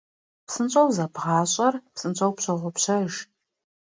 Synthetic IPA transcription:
psɨnɕʼɐwzɐbʁɑːɕʼɐrpsɨnt͡ɕʷʼɐwpɕɐʁʷɔpɕɐʒ

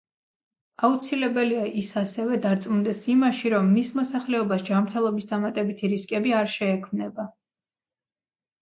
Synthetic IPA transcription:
aut̪sʰilɛbɛliaʔisasɛvɛd̪aɾt̪sʼmund̪ɛsimaʃiɾɔmːismɔsaχlɛɔbasd͡ʒamɾt̪ʰɛlˠɔbisd̪amat̪ʼɛbit̪ʰiɾiskʼɛbiaɾʃɛːkʰmnɛba

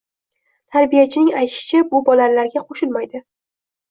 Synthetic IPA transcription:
t̪ʰaɾbijat͡ʃʰɪnɪŋajt̪ʃɪ̥t͡ʃʰabʊbɒlalaɾɡʲaqʰoʃɪlmajd̪ɪ

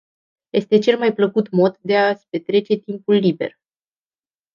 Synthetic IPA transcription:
je̞st̪e̞t͡ʃe̞lmajpləkut̪mo̞t̪d̪e̞aspe̞t̪ɾe̞t͡ʃe̞t̪impulːibe̞̰r

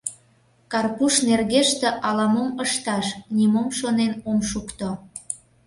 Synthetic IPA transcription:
kɑrpuʃnerɣeʃt̪ĕʔɑlɑmoməʃt̪ɑʃnʲimomʃonenomʃukt̪o

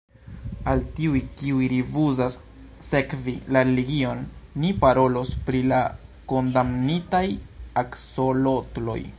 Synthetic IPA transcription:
altiujkiujɾivuzasː | e̞kvilaɾeliɡio̞nːipaɾo̞lo̞spɾilako̞ndamnitajakso̞lo̞tlo̞̰j

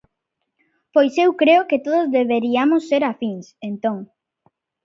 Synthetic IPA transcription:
pojsewkɾeoket̪oðʊzðeβeɾiamʊsːeɾafiŋsent̪oŋ

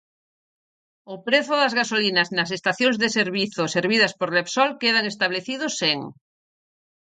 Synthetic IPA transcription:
opɾeθʊðɐzɣasolinɐznɐs̬est̪aθjoŋzðeseɾβiθoseɾβ̞iðɐspoɾlepsɔlkeð̞aŋest̪aβleθiðʊseŋ

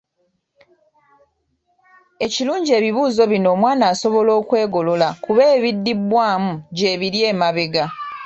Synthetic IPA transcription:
e̞ciluːɲɟie̞ːβiβuːzo̞βino̞ːmwaːnaːso̞βo̞lo̞ːkwe̞ːɡo̞lo̞lakuβe̞ːβidːibwaːmuɟe̞ːβiɾje̞ːmaβe̞ɡa

